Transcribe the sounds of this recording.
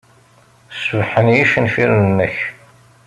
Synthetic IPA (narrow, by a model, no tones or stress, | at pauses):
svħənjiʃənfiɾnəmːəç